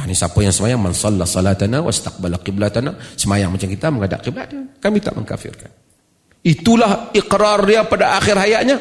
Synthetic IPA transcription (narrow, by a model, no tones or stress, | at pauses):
anisapojaŋsəmajaŋmansɑlːasɑlat̪anawa̰st̪aq̚balaqɪblat̪anasəmajaŋmat͡ʃamkit̪aməŋada̰ʔqibla̰dakamit̪a̰ʔmə̰ŋka̰fɪ̰rkan | it̪ulahɪqɾarapadaʔːxɪrɦajaʔɲa